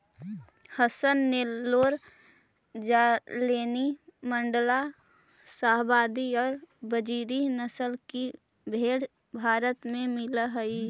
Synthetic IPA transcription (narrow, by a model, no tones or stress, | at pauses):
həsənːeloːɾ | d͡ʒaːleːnimə̃ɳɖəla | saɦbaːd̪iɔːɾbəd͡ʒiːɾinəsəlki | bʱeːɽ | bʱaːɾət̪mẽmɪlɦəi